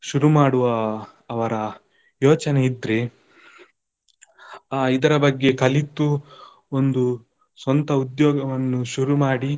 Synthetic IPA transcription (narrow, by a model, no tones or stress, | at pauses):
ʃuɾumaːɽuʋɐː | ʋɐɾɐ | jɔːt͡ʃɐneid̪ɾe̞ | aːid̪ɐɾɐbɐɡːe̞kɐlit̪ːu | ond̪u | sʋɐnt̪ɐud̪jɔːɡɐʋɐnːuʃuɾumaːɽi